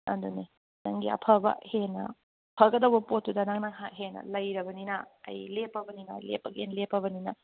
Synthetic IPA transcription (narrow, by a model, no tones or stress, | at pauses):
ɐ̰nduni | nɐŋɡiɐ̰pʰɐbɐ̰henɐ̰ | pʰɐɡɐdɐwbɐpot̚dudɐnɐŋnɐŋɦaɦenɐ̰lɐjɾɐbɐninɐ̰ːjlepːɐbɐninɐ̰ːjlepːɐɡenlepʰːɐbɐninɐ